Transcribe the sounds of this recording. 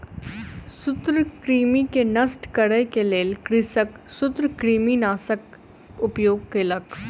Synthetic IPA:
sʊt̪ɾəkɾiːmikenɐsʈkɐɽəjkeleːlkɾɪsəksʊt̪ɾəkɾiːminaːsək̚ | ʊpjoːɡ̚keːlək

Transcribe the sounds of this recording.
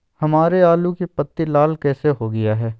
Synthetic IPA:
hɐmaːɾeaːlũkepət̪ːilaːlkɛːseɦoɡɐjaɦɛː

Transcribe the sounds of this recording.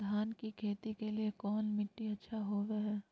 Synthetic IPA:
d̪ʱaːnkikʰeːt̪ikeliekɔːnmɪʈːiɐtːʃʰaɦoːʋeɦɛː

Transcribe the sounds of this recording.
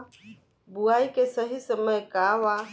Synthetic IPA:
buaːikesəɦisəməjkaʋa

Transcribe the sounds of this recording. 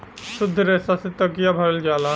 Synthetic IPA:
sʊd̪ʱːɾeːsaset̪ɐkijabʱɐɾəld͡ʒaːla

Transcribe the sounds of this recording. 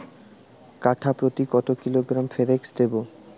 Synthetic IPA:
kaʈʰapɾot̪ikɔt̪okiloɡɾamfeɾeksd̪ebo

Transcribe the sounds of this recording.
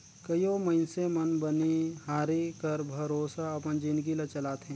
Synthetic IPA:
kɐjomɐɪnsemɐnbɐniɦaːɾikɐɾbʱɐɾoːsaɐpənd͡ʒinɡilɐt͡ʃɐlaːt̪ɦɛ̃ː

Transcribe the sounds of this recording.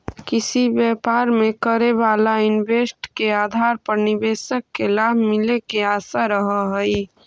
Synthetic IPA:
kɪsibjɛːpaːɾmekəɾebaːlaɪnbeːsʈkeaːd̪ʱaːɾpəɾnɪbeːsəkːelaːbʱmɪlekeaːsaɾəɦəɦəi

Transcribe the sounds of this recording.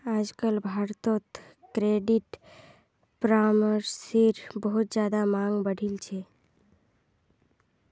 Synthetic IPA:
aːd͡ʒkəlbʱaɾt̪ot̪ | kɾeɖiʈ | pɾaməɾseɾbəɦut̪̚d͡ʒaːd̪amaŋɡbəɽ̤ʱilt͡ʃʰe

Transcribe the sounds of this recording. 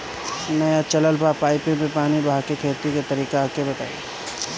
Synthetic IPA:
nɐjat͡ʃɐləlbʱaːpaːɪpẽpẽpaːnibɦakekʰeːt̪iket̪ɐɾiːkeaːkebɐt̪a̰ːe

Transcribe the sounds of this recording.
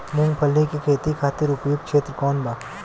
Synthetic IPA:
mʊ̃ŋɡpʰɐlnekekʰeːt̪ikʰaːt̪ɪɾʊpjoːɡ̚kʃeːt̪ɾəkɔːnbaː

